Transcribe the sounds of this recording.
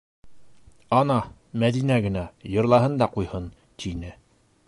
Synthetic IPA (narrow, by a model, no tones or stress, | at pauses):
ɒnɑ | mæðinæɡɘ̆næjɤ̆ɾlˠɑɦɤnd̪ɑqujhɤn | t̪inɘ